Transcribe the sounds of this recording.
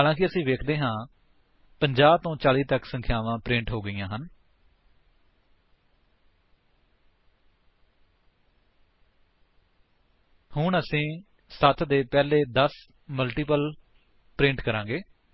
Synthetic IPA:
aːlãːk̬ɪəsĩːʋeːkʰd̪eːɦãː | pəɲd͡ʒaːb̚t̪õːt͡ʃaːliːt̪əksə̃ŋkʰjaːʋãːpɾɪ̃ɳʈɦoːɡəijãːɦən | hʊɳəsĩː | sət̪ʰd̪eːpɛːleːd̪əs | məlʈiːpəl | pɾɪ̃ɳʈkəɾãːɡeː

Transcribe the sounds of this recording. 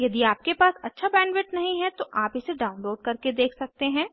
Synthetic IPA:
jɐd̪iaːp̚kepaːsɐtːʃʰabɛ̃ːnʋɪʈnɐɦĩɦɛt̪oʔaːpɪseɖaːʊ̃nloːɖ̚kɐɾked̪eːkʰsɐk̚t̪eɦɛ̃ː

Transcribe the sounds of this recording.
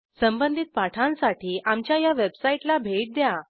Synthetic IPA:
səmbənd̪ʱit̪̚paʈʰãnsaʈʰiːamt͡ɕjajaʋebsaiʈlabʱeʈ̚d̪ja

